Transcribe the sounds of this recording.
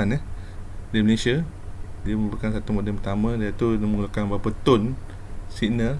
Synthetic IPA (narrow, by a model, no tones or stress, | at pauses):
anə | diməlesia | diəməbəkansat̪umodəmpət̪amə̃diat̪unəməŋulakanbapət̪ʊn | sinə